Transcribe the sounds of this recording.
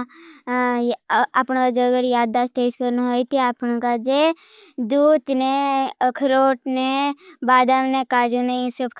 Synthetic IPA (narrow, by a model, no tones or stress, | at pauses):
apnkad͡ʒeəɡəɾjaːd̪̚ːaːst̪eːd͡ʒkəɾnɦoːit̪iapkad͡ʒe | d̪uːt̪neəkʰɾoːʈnebaːd̪amnekaːd͡ʒũneĩsəbk